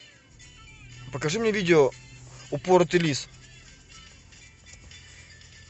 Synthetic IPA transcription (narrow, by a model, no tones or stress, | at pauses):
pəkɐʐɨmnʲevʲidʲɪoʊpoɾt̪ɨlʲis